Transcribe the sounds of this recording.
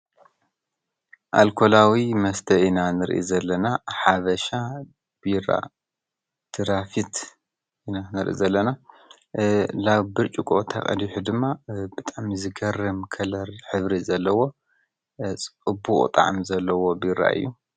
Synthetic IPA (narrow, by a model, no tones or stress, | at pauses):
ʔa̰lkʰo̞lawimɐst̪ʰɐʔinanɨɾʔḭzɐlːɐnaħaβɐʃa | b̥iɾa̰ | t̪ʰɨɾafit̪ | ʔinanɨɾʔḭzɐlːɐna | laβbɨɾt͡ʃʼikʼot̪ʰa̰χʼɐ̰d̪iħud̪ɨmːabɨt̪ʼaʕmzɨɡɐrɨmkʰɐlɐɾħɨβɾizɐlːɐwo̞ | t͡sʼɨbukʼt̪ʼa̰ʕmzɐlːɐwo̞biɾa̰ʔɨ̰jːu